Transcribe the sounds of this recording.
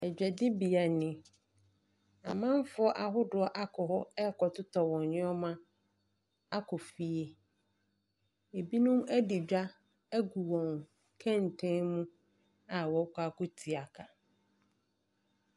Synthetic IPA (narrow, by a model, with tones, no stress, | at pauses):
ɛ˨d͡ʑᶣɛ˨dɪ˦bi˨a˨nɪ̃˨ | a˨mã˦m˦fʊ˦ɔ˦ʔa˨ɦʊ˦dʊ˨˦ɔ˦ʔa˦kʰɔ˨hʊ˦ɛ˦˨kʰɔ˨tʊ˦tʰɔ˨wɔ̃˨nɲɪ̃˦ɔ˦mã˦ | a˦kʰɔ˨fi˨e˨ | e˨bi˦nũ˦mæ˦dɪ˨d͡ʑᶣa˦ | æ˦ɡu˨wɔ̃˨ŋ | kʰɛ̃˦˨n̩˨tʰẽ˦ŋmũ˦ | a˨wɔ˨˦kʷa˦kʊ˦tʰi˨a˨kʰa˨